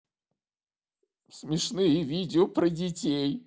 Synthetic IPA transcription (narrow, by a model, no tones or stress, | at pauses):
smʲɪʂnɨjəvʲid͡zʲɪopɾɐd͡zʲɪt͡sʲej